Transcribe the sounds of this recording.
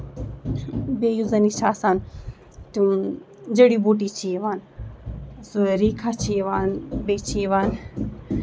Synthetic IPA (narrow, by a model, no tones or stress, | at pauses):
bejuzɐnit͡ʃʰaːsaːn | t̪u | d͡ʒeɽiboʈ̬it͡ʃʰiʋaːn | soɾikʰat͡ʃʰiʋaːnbet͡ʃʰiʋaːn